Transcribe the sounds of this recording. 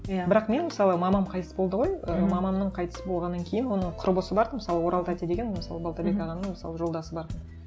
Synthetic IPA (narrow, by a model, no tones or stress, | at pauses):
bɪɾɑqme̞nməsɑlˠəmɑmɑmqʰɑjt̪əsəbo̞lˠd̪əʁo̞jəmɑmɑmnəɴqʰɑjt̪ə̥səbo̞lˠʁɑnːɑŋkʲʰe̞jɪnwo̞nəɴqʰʊɾbʊsəbɑɾd̪əməsɑlˠəwo̞ɾʔɑlˠt̪ʰat̪ʲed̪eɡʲenməsɑ̰lˠəbalˠt̪abʲekɑʁɑnəɴməsɑlˠəʒo̞lˠd̪ɑsəbɑɾt̪ən